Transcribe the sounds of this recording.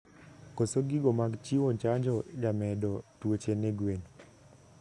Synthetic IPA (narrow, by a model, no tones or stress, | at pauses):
kosoɡiɡomaɡt͡ʃiwɔɲt͡ʃaɲd͡ʒɔd͡ʒamɛdɔtwot͡ʃeneɡweɲ